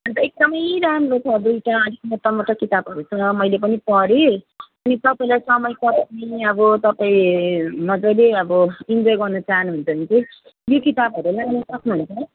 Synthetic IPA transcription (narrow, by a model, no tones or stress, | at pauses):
ʌnt̪ʌek̚d̪ʌmʌjɾamrot͡sʰʌd̪ujʈaʌd̪ʱikmʌt̪ʌmʌʈʌkit̪abɦʌɾusʰʌnʌmʌjlep̬ʌnipʌɾeʌnit̪ʌpailajsʌmʌjkʌtniʌbʌt̪ʌpãĩnʌd͡zʌleʌbʌind͡zʌjɡʌrnʌt͡saɦnuɦʌnt͡sʰʌʌnit͡sʌj | jokit̪abʱʌɾulaŋnʌsʌknuɦnsʰʌ